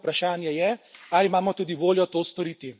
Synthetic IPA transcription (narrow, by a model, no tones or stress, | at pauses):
pɾaʃaːnjɛjɛalimaːmɔt̪uːd̪iʋoːljɔt̪oːst̪ɔɾiːt̪i